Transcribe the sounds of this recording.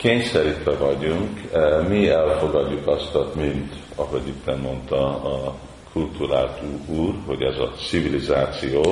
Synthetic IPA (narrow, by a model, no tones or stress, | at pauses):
keːɲsɛɾit̪ʋɛvɒɟuŋkmiɛlfo̞ɡɒɟːukɒst̪ɒt̪mint̪ | ɒɦo̞ɟit̪ːɛmːo̞nt̪ɒɒ | kʰult̪uɾaːlt̪uuːrho̞ɟɛ̰zɒ̰sivilizaːt̪sijoː